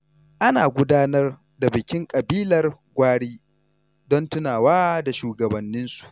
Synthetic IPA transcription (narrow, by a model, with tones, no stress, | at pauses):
ʔa˦naː˨ɡʷʊ˦daː˦nɐ˦r | da˨bɪ˨kʲɪ˦ŋkʼɐ˨biː˦lɐ˨rɡʷaː˦ɽiː˦ | dɔ˦ntʊ˦naː˨waː˦da˨ʃuː˨ɡɐ˨bɐ˨nːɪ˦nsu̥˨ʔ